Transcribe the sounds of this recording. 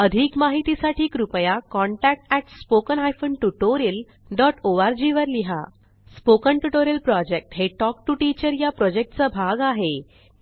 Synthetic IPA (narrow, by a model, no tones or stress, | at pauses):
əd̪ʱiːkmaɦit̪isaʈʰiːkɾupəjakɔɳʈæk̚ʈɛʈspokənɦajfəɳʈuʈoɾil | ɖɔʈʰoʋaɾd͡ʑiʋəɾliɦa̰ | spokəɳʈuʈoɾilpɾɔd͡ʑek̚ʈɦeʈɔk̚ʈuʈit͡ɕəɾjapɾɔd͡ʑek̚ʈt͡səbʱaɡaɦe